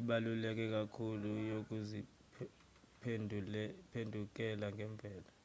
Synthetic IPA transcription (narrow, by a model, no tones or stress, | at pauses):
iɓalulɛk̬ʼɛk̬ʼakʰulujok̬ʼuzi | pʰ | pʰendʱuk̬ʼɛlaŋɡʱɛmb̪vʱɛːla